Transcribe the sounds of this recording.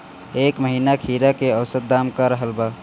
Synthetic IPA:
ekməɦiːnakʰiːɾakeəwsət̪̚d̪amkaɾəɦəlba

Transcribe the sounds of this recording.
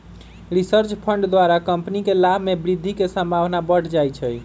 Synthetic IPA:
ɾisəɾt͡ʃpʰəɳɖd̪waɾakəmpnikelabʱmebɾid̪ʱːikesəmbʱaʋnabəʈʰd͡ʒajt͡ʃʰəj

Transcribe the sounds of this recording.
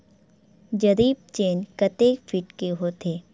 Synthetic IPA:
d͡ʒɐɾiːb̚t͡ʃeːnkɐt̪eːkfʰɪʈkeɦot̪ʰeː

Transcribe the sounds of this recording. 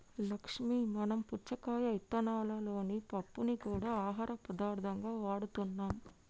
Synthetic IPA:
lɐkʂmiːmɐnɐmput͡ʃɐkaːjɐɐjt̪ːɐnaːlɐlo̞ːnipɐpːunikuːɽaːaːɦaːɾɐpɾɐd̪aːɾd̪ʱɐŋɡaːʋaːɽut̪unːaːm

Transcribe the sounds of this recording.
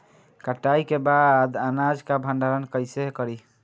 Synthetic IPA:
kəʈːajkebad̪anad͡ʒkabʱə̃ɳɖʱaɾənkəjsekəɾi

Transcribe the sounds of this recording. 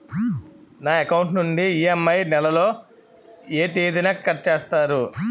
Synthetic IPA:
naːekɐwuɳʈnuɳɖiiemːɐjnɛlɐlo̞ː | e̞ːt̪eːd̪inɐːkɐʈ̚t͡ʃeːst̪aːɾu

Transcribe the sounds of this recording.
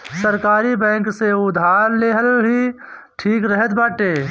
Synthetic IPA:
səɾkaːɾibɛ̃ːŋkseʊd̪ʱaːɾleːɦəlɦi | ʈʰiːkɾəɦət̪baːʈeː

